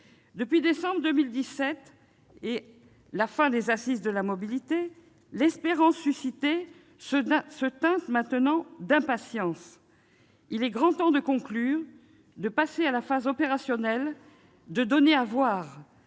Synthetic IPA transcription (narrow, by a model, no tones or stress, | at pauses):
d̪əpɥid̪esɑ̃bʁəd̪ømild̪isɛt̪ | e | lafɛ̃d̪ezasizd̪əlamɔbilit̪e | lɛspeʁɑ̃sːysit̪e | ssət̪ɛ̃t̪mɛ̃t̪ənɑ̃d̪ɛ̃pasjɑ̃s | ilɛɡʁɑ̃t̪ɑ̃d̪əkɔ̃klyʁ | d̪əpasealafazɔpeʁasjɔnɛl | d̪əd̪ɔneavwaːʁ